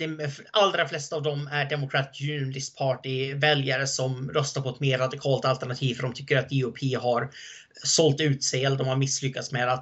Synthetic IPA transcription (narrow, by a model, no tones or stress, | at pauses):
d̪̥ɛalːɾaflɛst̪aːvd̪ɔmæɖɛmʊkʰɾat̪jʉnlɪst̪̚pʰɑːʈɪvɛljaɾəsɔmɾœst̪aɾpʰɔɛt̪meːɾːad̪ɪkʰɑːlt̪alt̪æɳat̪ʰiːvfœɖɔmt̪ʰʏkːəɾat̪̚iʊpʰiːɦaɾ | sɔlt̪ʉ̟ːt̪sɛɛld̪ɔmhaɾmɪslʏkːat̪smeːd̪at̪